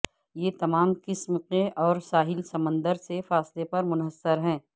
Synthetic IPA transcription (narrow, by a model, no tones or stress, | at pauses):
jet̪ɐmaːmkɪsmqẽʔɔːɾsaːɦɪlsɐmə̃nd̪əɾsefaːslepɐɾmʊnɦəsːəɾɦɛ̃ː